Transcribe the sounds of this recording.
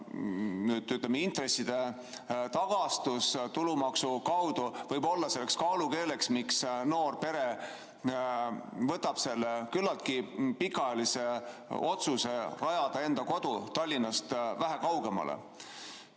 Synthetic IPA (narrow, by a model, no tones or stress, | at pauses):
nyt̪yt̪lemeint̪re̞sːid̪̥e̞ | t̪ɑɡ̥ɑst̪ust̪ulumɑksukɑwd̪̥uvɤjbo̞lːɑse̞lːekskɑːluke̞ːle̞ksmiksno̞ːrpe̞ɾe̞ | vɤt̪ːɑb̥se̞lːekylːɑlt̪̚kipikːˑɑjɑlise̞o̞t̪suse̞rɑjɑd̪̥ɑe̞nd̪̥ɑko̞d̪̥ut̪ɑlʲːinɑst̪væɦækɑwɡ̥e̞mɑ̰lḛ